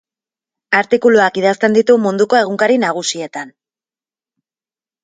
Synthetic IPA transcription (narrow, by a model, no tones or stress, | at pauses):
aɾt̪ikuluakið̞ast̪e̞nd̪it̪umund̪uko̞e̞ɣ̞uŋkaɾinaɣ̞usie̞t̪an